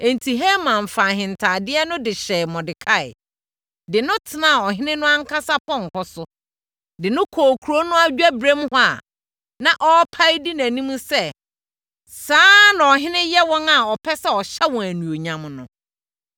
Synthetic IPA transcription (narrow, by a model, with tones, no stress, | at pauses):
e˨ntʰi˨ɦe˦mã˨ɱ˨fa˨hɪ̃˨ntʰa˨dɪ˦ɛ˦nʊ̃˦dɪ˨ɕɛ˨mɔ̃˨dɪ˨kʰa˦˨ɪ̰˨ | dɪ˨nʊ̃˦tʰɪ˨nã˦˨ɔ˨ɦɪ̃˦nɪ̃˦nʊ̃˦ã˦ŋ̩˦kʰa˦sa˦pʰɔ̃˦ŋ̩˨kʰɔ˦sʊ˦ | dɪ˨nʊ̃˦kʰɔː˨kʰu˨ɾo˦nʊ̃˦a˦d͡ʑᶣæ˦bɾẽ˦mhʊ˦a̰˨ | nã˨ʔɔ˦pʰa˦i˦di˦næ̃˨nĩ˦mũ˦sɛ˦˨ | saː˦nã˨ɔ˨ɦɪ̃˦nɪ̃˦jɛ˦wɔ̃˦ŋa˨ɔ˨pʰɛ˦sɛ˦ɔ˨ɕɛ˦wɔ̃˨æ˨nũ˨o˨ɲã˨mnʊ̃˨